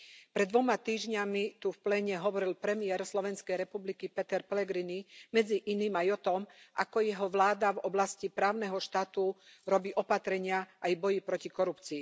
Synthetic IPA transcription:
pɾɛd̪ʋɔmat̪iːʒɲamit̪ufplɛːɲɛɦɔʋɔɾilpɾɛmɪɛɾslɔʋɛnskɛjɾɛpublikipɛt̪ɛɾpɛlɛɡɾinimɛd͡ziʔiniːmajɔt̪ɔmʔa̰kɔjɛɦɔʋlaːd̪avɔblascipɾaːʊnɛɦɔʃt̪aːt̪uɾɔbiːʔɔpat̪ɾɛɲɪaʔajbɔjipɾɔcikɔɾupt͡siː

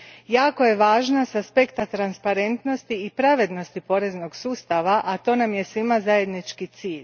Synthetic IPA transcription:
jaːko̞je̞ʋaːʒnasaspe̞kt̪at̪ɾanspaɾe̞nt̪no̞st̪iipɾaʋe̞d̪no̞st̪ipo̞ɾe̞zno̞ɡsuːst̪aʋaʔat̪o̞namje̞sʋimazaje̞d̪nit͡ʃkit̪siːʎ

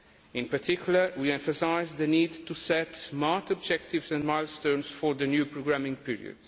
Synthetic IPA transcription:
ɪ̃npəɾt̪ʰikʰjulˠəwiɛ̃ɱfəsaɪzðɨnid̪tusɛt̪smat̪ɔb̚d͡ʒɛk̚t̪ɪvzɛ̃nmajlˠst̪õnsfɔɹðɨnjupɹoɡɹamĩŋpiɹḭɨ̰d̥

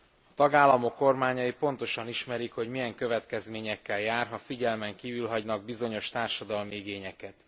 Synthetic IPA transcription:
ɒt̪ɒɡaːlːɒmo̞kːo̞rmaːɲɒipo̞nt̪o̞ʃɒniʃmɛɾikho̞ɟmijɛŋkø̞vɛt̪kɛzmeːɲɛkːɛljaːrɦɒfiɟɛlmɛŋkiːvylɦɒɟnɒɡ̚bizo̞ɲo̞ʃt̪aːrʃɒd̪ɒlmiiɡeːɲɛkɛt̪

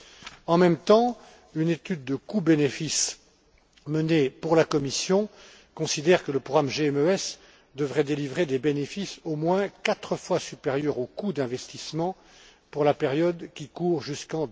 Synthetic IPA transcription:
ɑ̃mɛmt̪ɑ̃ | ynet̪yd̪̚ːəkubenefis | mənepuʁlakɔmisjɔ̃ | kɔ̃sid̪ɛʁkələpɔɡamʒeɛmøɛs | d̪əvʁɛd̪elivʁed̪ebenefisomwɛ̃kat̪χəfwasypeʁjœʁokud̪ɛ̃vɛst̪ismɑ̃ | puʁlapeʁjɔd̪kʲikuːʁʒyskɑ̃

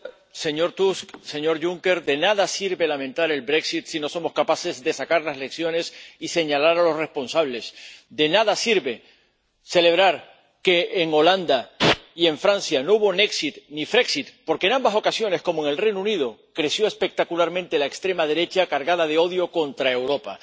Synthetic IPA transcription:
se̞ɲo̞ɾt̪uskse̞ɲo̞ɾʝuŋke̞ɾðe̞naðasiɾβe̞lamẽ̞nt̪aɾe̞lbɾe̞ksit̪sino̞so̞mo̞skapase̞zðe̞sakaɾlasle̞ksjo̞ne̞sise̞ɲalaɾalo̞sre̞spo̞nsaβle̞sd̪e̞naðasiɾβe̞ | se̞le̞β̞ɾaɾ | ke̞ːŋo̞land̪aie̞ɱfɾansjanouβo̞ne̞ksit̪nifɾe̞ksit̪̚po̞ɾke̞ːnãmbaso̞kasjo̞ne̞sko̞moe̞ŋelrejnuuniðokɾe̞sjo̞e̞spe̞k̚t̪akulaɾmẽnt̪e̞laekst̪ɾe̞maðe̞ɾe̞t͡ʃakaɾɣaðaðe̞o̞ðjo̞ko̞nt̪ɾae̞wɾo̞pa̰

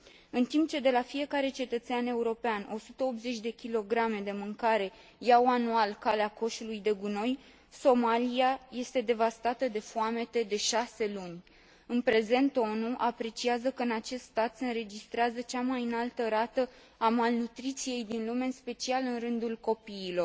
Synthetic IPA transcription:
ɨnt̪imp̚t͡ʃe̞d̪e̞lafije̞kaɾe̞t͡ʃe̞t̪ət̪seane̞uɾo̞peanʔo̞sut̪əo̞pze̞t͡ʃʲd̪e̞kʲilo̞ɡɾame̞d̪e̞mɨŋkaɾe̞ | jawanualkaleako̞ʃulujd̪e̞ɡuno̞j | so̞maliaje̞st̪e̞d̪e̞vast̪at̪əd̪e̞fuame̞t̪e̞d̪e̞ʃase̞lunʲ | ɨnpɾe̞ze̞nt̪o̞nuʔapɾe̞t͡ʃiazəkəɨnat͡ʃe̞st̪st̪at̪se̞ɨnɾe̞d͡ʒist̪ɾeazət͡ʃamajɨnalt̪əɾat̪ə | amalnut̪ɾit̪sije̞jd̪inlume̞ɨnspe̞t͡ʃialɨnrɨnd̪ulko̞piːlo̞r

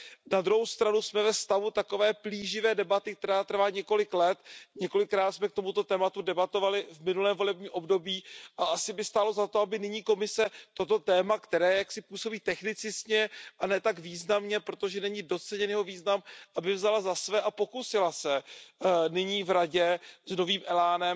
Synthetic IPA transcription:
nad̪ɾuɦowst̪ɾanusmɛvɛfst̪avut̪ako̞vɛːpliːʒɪvɛːdɛbat̪ɪk̚t̪ɛɾaːt̪r̩vaːɲɛko̞lɪklɛt̪ɲɛko̞lɪkːɾaːt̪smɛk̚t̪o̞mut̪o̞t̪ɛːmat̪udɛbat̪o̞valɪvmɪnulɛːmvo̞lɛbɲiːʔo̞bdo̞biːʔaʔasɪbɪst̪aːlo̞zat̪oabɪnɪɲiːko̞mɪsɛt̪o̞t̪o̞t̪ɛːmakt̪ɛɾɛːjaksɪpuːso̞biːt̪ɛxnɪt͡sɪsɲɛʔanɛːt̪aɡviːznamɲɛpɾot̪o̞ʒɛnɛɲɪdo̞t͡sɛɲɛnjɛɦo̞viːznamʔabɪvzalazasvɛːʔapo̞kusɪlasɛ | nɪɲiːvɾaɟɛzno̞viːmʔɛlaːnɛm

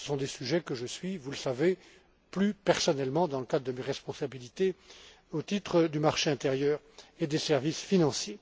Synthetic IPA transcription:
sə̥sɔ̃d̪esyʒɛkəʒəsɥivuləsave | plypɛʁsɔnɛlmɑ̃d̪ɑ̃ləkad̪ʁəd̪əmeʁɛspɔ̃sabilit̪e | ot̪it̪χəd̪ymaʁʃeɛ̃t̪eʁjœːʁ | ed̪esɛʁvisfinɑ̃sje

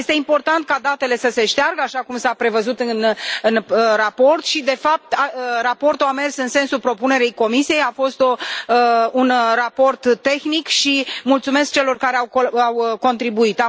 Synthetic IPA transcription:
jest̪e̞impo̞rt̪ant̪̚kad̪at̪e̞le̞səse̞ʃt̪earɡəaʃakumsapɾe̞vəzut̪ɨnɨnrapo̞rt̪ʃid̪e̞fap̚t̪arapo̞rt̪uame̞rsɨnse̞nsupɾo̞pune̞ɾejko̞misijejafo̞st̪o̞ | unrapo̞rt̪ːe̞xnikʃimult̪sume̞sk̚t͡ʃe̞lo̞rkaɾeawawko̞nt̪ɾibuit̪a

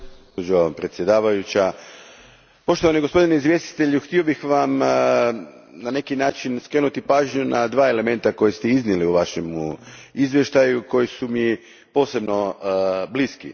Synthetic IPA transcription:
osod͡ʑopɾet̪sje̞d̪aːʋajut͡ɕa | po̞ʃt̪oʋaniɡospo̞d̪ineizʋje̞st̪i̥t̪e̞ʎuxt̪io̞bixʋam | nane̞kinaːt͡ʃinskɾe̞ːnut̪ipaːʒɲunad̪ʋaːe̞le̞me̞nt̪ako̞jest̪eizniliuʋaʃemuizʋjeʃt̪ajuko̞jisumi | po̞ːse̞bno̞bliskḭ

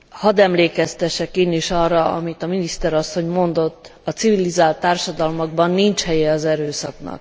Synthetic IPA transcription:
hɒd̪ɛmleːkɛst̪ɛʃɛkeːniʃɒrːɒɒ̰mit̪ɒminist̪ɛɾɒsːo̞ɲmo̞nd̪o̞t̪ːɒt̪sivilizaːlt̪ːaːrʃɒd̪ɒlmoɡ̚bɒnːint͡ʃhɛjɛɒzɛɾøːsɒ̰knɒ̰k

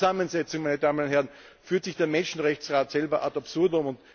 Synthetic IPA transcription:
zamənzɛt͡sʊŋmæɪnədaːmənʊnthɦɛɐʁn | fyːɐtsɪçd̥eːɐmɛnʃn̩ʁɛçt͡sʁaːtsɛlbɐʔatapsʊɐdʊmʊnt

